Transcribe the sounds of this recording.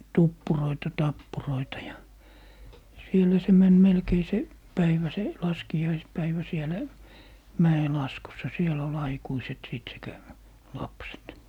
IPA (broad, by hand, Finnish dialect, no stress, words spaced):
tupːuroitɑ tɑpːuroitɑ jɑ sielæ se mæn melkei se pæiʋæ se lɑskijɑispæiʋæ sielæ mæelɑskusːɑ siel ol ɑikuiset siˑt sekæ lɑpset